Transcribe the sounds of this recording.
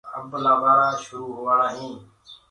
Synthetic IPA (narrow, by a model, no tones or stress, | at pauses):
ə̰blaːʋaːɽaːʃʊɾuːɦʊːʋaːɽaːɦĩː